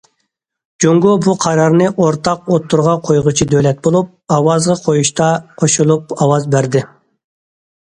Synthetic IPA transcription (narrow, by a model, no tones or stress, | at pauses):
d͡ʒoŋɡobuqʰɑɾɑɾnɨʔoɾt̪ʰɑqot̪ʰːuɾʁɑqʰojʁʊt͡ʃʰid̪ølɛt̪̚bolˠup̚ɑwɑzʁɑqʰojuʃt̪ɑqʰoʃulˠup̚ɑwɑzbæɾd̪ɪ